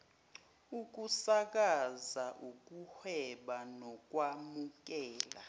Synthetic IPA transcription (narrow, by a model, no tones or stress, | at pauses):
uk̬ʼusak̬ʼazaʔuk̬ʼuhwɛɓanɔk̬ʼwamuk̬ɛːla̰